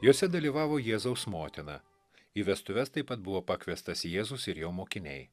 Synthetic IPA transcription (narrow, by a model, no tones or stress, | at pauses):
joːsʲɛd̪ɐlʲiːʋɑːʋoːjeːzɐʊsmoːt̪ʲɪnɑː | iːʋʲɛst̪ʊʋʲɛst̪ɐɪpːɐt̪̚bʊʋoːpɐkʲʋʲɛst̪ɐsjeːzʊsɪɾjoːmoːkʲɪnʲɛɪ